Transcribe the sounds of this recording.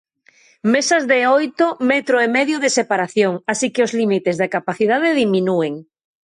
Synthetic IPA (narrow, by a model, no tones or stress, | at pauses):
mesɐzðeojt̪omɛt̪ɾoemɛðjʊðesepaɾaθjoŋasikɪozlimit̪ezðakapaθiðað̞eðiminueŋ